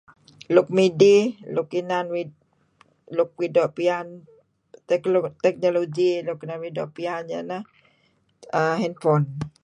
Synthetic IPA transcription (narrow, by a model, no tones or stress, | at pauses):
luk̚midilukinanwi | luk̚widɔʔpian | t̪ɛt̪ɛk̚noloɡilukinanwidɔʔpianja̰na | əɦɛnfɔn